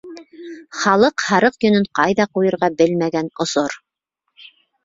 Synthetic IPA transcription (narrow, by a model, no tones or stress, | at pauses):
χɑlˠɤqhɑɾɤqjɵ̆nɵɴqɑjðɑqujɤ̆ɾʁɑbɘlmæɡænŏsoɾ